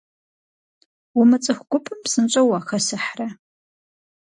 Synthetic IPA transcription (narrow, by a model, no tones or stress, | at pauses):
wʊmɨt͡sʼɨxʷɡʷʊpʰʼɨmsɨnt͡ʃʷʼɐwaːxɐsɨħrɐ